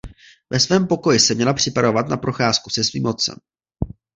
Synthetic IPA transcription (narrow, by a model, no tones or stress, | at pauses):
vɛsvɛːmpo̞ko̞jɪsɛmɲɛlapr̝̥ɪpaɾo̞vat̪napɾo̞xaːskusɛsvḭːmo̞t̪̚t͡sɛ̰m